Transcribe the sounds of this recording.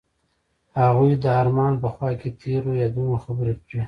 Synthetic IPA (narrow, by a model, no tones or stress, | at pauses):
haɣujd̪əaɾmɑnpəxwɑket̪ʰeɾojad̪unoxabɾeki